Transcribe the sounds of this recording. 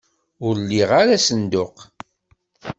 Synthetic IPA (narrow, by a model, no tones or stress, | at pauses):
ʊɾlːiʁaɾasənd̪ʊq